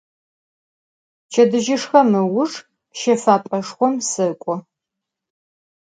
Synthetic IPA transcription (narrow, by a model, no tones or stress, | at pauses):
t͡ʃʰʼɐdɨʒɪʂxɐmɨwʊʂ | ʃefaːpʼɐʂχʷɔmsɨkʷʼɔ